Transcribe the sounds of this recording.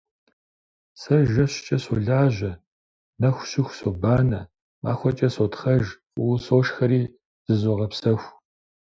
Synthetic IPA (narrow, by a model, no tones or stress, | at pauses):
sɐʒɐɕɪ̥t͡ʃʼɐsoɮaːʑʷɐ | nɐxʷʊɕɪxʷsobaːnɐ | ma̰ːxʷɔt͡ʃʼɐsotχɐʒ | soːʃxɐɾiː | z̥ɨzoʁɐpsɐxʷ